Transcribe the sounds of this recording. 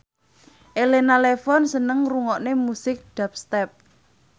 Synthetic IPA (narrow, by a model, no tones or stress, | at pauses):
ʔelenalefɔnsənəŋruŋɔʔnemusɪk̚ɖ̥a̤p̚st̪ɛp̚